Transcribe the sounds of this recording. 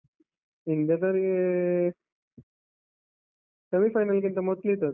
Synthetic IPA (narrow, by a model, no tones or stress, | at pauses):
ind̪jat̪əɾ | səmifajnalk̬int̪əmot̪lit̪əɾ